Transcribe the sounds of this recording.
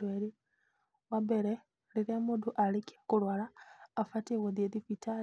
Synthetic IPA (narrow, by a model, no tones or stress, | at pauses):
weɾi | wabeɾe | liɾemud̪uʔalikiakulwalaːfatiɣoðjeðifitʰa